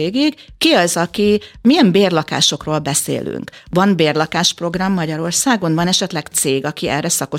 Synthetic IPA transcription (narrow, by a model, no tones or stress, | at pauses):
eːɡiɡkiɒzɒkimijɛmbeːrlɒka̰ːʃo̞kroːlbɛsḛːly̰ŋkvɒnbeːrlɒkaːʃpro̞ɡrɒmːɒɟɒɾo̞rsaːɡo̞nvɒnɛʃɛt̪lɛɡt̪seːɡɒkiɛ̰rɛsɒko̞